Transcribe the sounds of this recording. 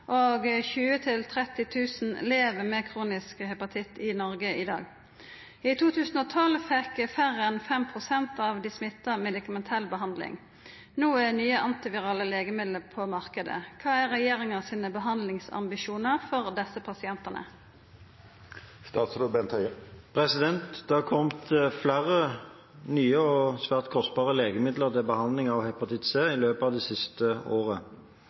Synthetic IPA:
ʔoːɡçʉːət̪ʰɪlt̪ʰʁɛt̪ɪt̪ʰʉːsn̩leːʋəmeːkʰʁuːnɪskhɛpɑt̪ʰɪt̪ːɪnɔʁɡəɪd̪ɑ̰ːɡ | it̪ʰuːt̪ʰʉːsn̩oːt̪ʰɔlfɛkfæʁəɛnfɛmpʰʁʊsɛnt̪ɑʋd̪ɪsmɪt̪ːɑmɛd̪ɪkɑmɛnt̪ʰɛlːbəɦɑnd̪lɪ̰ŋ | nuːænyːəʔɑnt̪ɪʋɪʁɑːləleːɡəmɪd̪ləʁpʰɔmɑʁkəd̪ə̰kʰɑːæʁɛjeːɾɪŋɑsiːnəbəɦɑnd̪lɪŋsɑ̰mbɪʃuːnəʁfɔʁd̪ɛsəpʰɑsɪɛnt̪ɑnə̰ | st̪ɑːt̪sɾobɛnt̪ʰœʏpʰʁɛsɪd̪ɛnt̪d̪̥ɛɑkʰɔmt̪flæːʁə | nyːəɔsʋæːʁt̪̚kʰɔst̪̚bɑːʁəleːɡəmɪd̪ləʁt̪ɪbəhɑnd̪lɪŋɑʋhɛpɑt̪ɪt̪seːɪløːpɑːʋd̪ɛːsɪst̪əoːʁə

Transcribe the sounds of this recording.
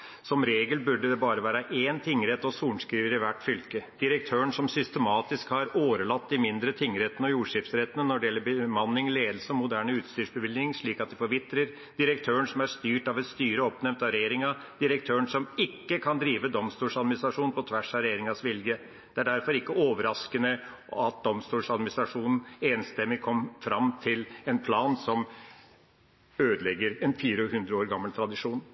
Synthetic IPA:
sɔmɾeːɡəlbʉɖəd̪ɛbɑːɾəʋæːɾəʔeːnt̪ʰɪŋːɾɛt̪ːɔsuːɳskɾiːʋəɾɪʋæʈːfʏlkəd̪̥ɪɾək̚t̪ʰøːəɳsɔmsʏst̪əmɑːt̪ɪskhɑɾoːɾəɭɑt̪ːd̪ɪmɪnd̪ɾət̪ʰɪŋːɾɛt̪ːənɔjuːʂɪft̪sɾɛt̪ːənənɔɖɛjɛlːəɾbəmɑnːɪŋleːd̪lsəɔmʊd̪æːɳəʉːt̪st̪yːʂbəʋɪld̪nɪŋʂɭiːkɑt̪̚d̪ɪfɔɾʋɪt̪ːɾəɾ | d̪̥ɪɾəkt̪ʰøːəɳsɔmæɾst̪yːʈɑʋɛt̪st̪yːɾəɔpnɛmt̪ɑɾɛjeːɾɪŋɑ | d̪̥ɪɾək̚t̪ʰøːəɳsɔmɪkːəkʰɑnd̪ɾiːʋəd̪ɔmst̪uːʂɑd̪mɪnɪst̪ɾɑʂuːnpʰɔt̪ʰʋæʂɑɾɛjeːɾɪŋɑsʋɪljə | d̪̥ɛæɖæɾfɔɾɪkːəoːʋəɾɑskənə | ɑt̪̚d̪ɔmst̪uːlʂɑd̪mɪnɪst̪ɾɑʂuːnn̩eːnst̪ɛmːɪkʰɔmfɾɑmt̪ʰɪlɛnpʰlɑːnsɔm | øːd̪əlɛɡːəɾɛnfiːɾəhʉnd̪ɾəoːɾɡɑmːəlt̪ʰɾɑd̪ɪʂuːn

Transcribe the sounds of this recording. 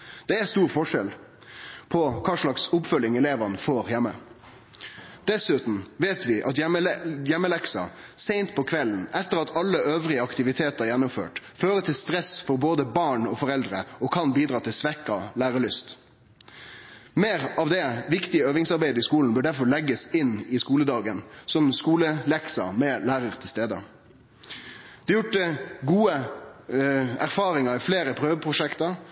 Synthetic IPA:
d̪̥ɛæst̪uːɾfɔʂɛl | pʰɔkʰɑːʂɭɑksʊpfœlːɪŋɛleːʋɑnəfoːɾjɛmːə | d̪̥ɛsʉt̪n̩ʋeːt̪ʋɪʔɑt̪jɛməjɛmːəlɛksɑ̰seɪnt̪pʰɔkʰʋɛln̩ʔɛt̪ːəɾɑt̪ʰɑlːəʔøːʋɾɪəɑkt̪ɪʋɪt̪ʰeːt̪əæɾjɛnʊmfø̰ːʈføːɾət̪ʰɪlst̪ɾɛsfɔɾboːd̪əbɑːɳɔfɔɾɛld̪ɾə̰ɔkʰɑnbiːd̪ɾɑːt̪ʰɪlsʋɛkːɑlæːɾəɭʏst̪ | meːɾɑʋd̪ɛʋɪkt̪ɪəøːʋɪŋsɑɾbæɪd̪əɪskuːln̩bœːɖæɾfɔɭɛɡːəsɪnːɪskuːləd̪ɑːɡənsɔmskuːləlɛksɑ̰mɛlæːɾəɾt̪ʰɪlst̪eːd̪ə̰ | d̪̥ɛjʊʈːəɡuːə | æɾfɑːɾɪŋɑɾɪfleːɾəpʰɾøːʋəpʰɾʊʂɛkt̪əɾ

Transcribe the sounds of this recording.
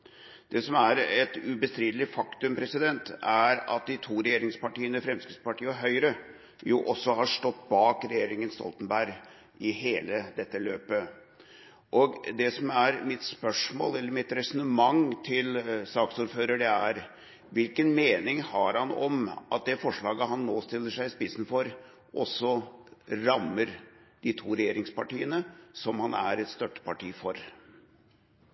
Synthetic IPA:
d̪̥ɛsɔmæɾɛt̪ʉbəst̪ɾiːd̪əlɪfɑkt̪ʉmpɾɛsɪd̪ɛnt̪æɾɑ̰t̪̚d̪ɪt̪ʰuːɾɛjeːɾɪŋspɑʈiːənəfɾɛmskəspɑʈiːəɔɦœʏɾə | jʊʔɔsːɔhɑʂʈɔt̪ːbɑːkɾɛjeːɾɪŋənst̪ɔ̰lt̪ənbæɾ | ɪɦeːləd̪ɛt̪ːəløːpə | ʔɔɡd̪ɛsɔmæɾmɪt̪spœʂmo̰ːlɛlːəɾmɪt̪ɾɛsɔnəmɑŋt̪ʰɪlsɑːksuːɾføːɾəɖɛæɾ | ʋɪlkənmeːnɪŋhɑɾhɑnɔ̰mʔɑ̰t̪̚d̪ɛfɔʂɭɑːɡəɦɑnːoːst̪ɪlːəʂæɪspɪsn̩fɔɾ | ʔɔsːɔ | ɾɑmːəɾd̪̥it̪ʰuːɾɛjeːɾɪŋspɑʈiːənəsɔmhɑnæ̰ɾɛt̪st̪œʈ̪ːə̥pɑʈiːfɔɾ

